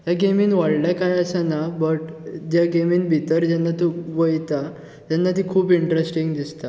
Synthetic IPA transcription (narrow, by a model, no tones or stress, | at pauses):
t̪jaɡemiːnʋaɽlakajəsanabəʈd͡ʑjaɡemiːnbʱit̪əɾd͡ʑanːat̪ũʋojt̪a | t̪janːat̪iːkʰuːpiɳʈɾesʈiŋɡd̪ist̪a